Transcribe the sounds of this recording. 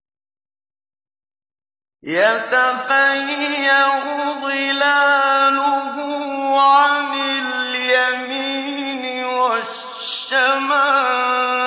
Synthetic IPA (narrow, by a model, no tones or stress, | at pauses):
jat̪afajɪjahʊðˤɪlaːlʊɦʊʕanɪljamiː | nɪwa | ʃamaː